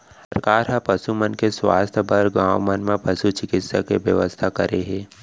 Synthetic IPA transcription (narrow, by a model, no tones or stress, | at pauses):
səɾkaːɾɦə̃pəsumənkeswa̰ːst̪ʰbɐɾɡãːʋmənmẽpɐsut͡ʃɪkɪt̪sakeʋjəʋəst̪ʰakɐɾeɦɛ̃ː